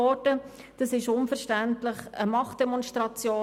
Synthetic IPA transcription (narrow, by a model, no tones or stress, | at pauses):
ɔdə | d̥ɑsɪʃʊnfəɾʃtæntlɪχəmɑχt̚d̥ɛmɔnʃtʁɑt͡sjoː